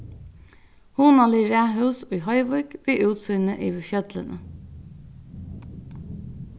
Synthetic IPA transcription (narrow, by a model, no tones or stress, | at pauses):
huːnɑliːɹæːɦœʉsoːiːhɑɪʋʊɾɡ̥biːʔʉːt̪sʏnəʔiːʋçœd̪lənə